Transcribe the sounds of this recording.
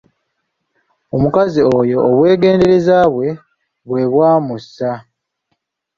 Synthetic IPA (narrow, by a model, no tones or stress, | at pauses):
o̞mukaziojo̞ːβwe̞ːɡe̞ːnde̞ɾe̞zaːβwe̞ | βwe̞βwaːmusːa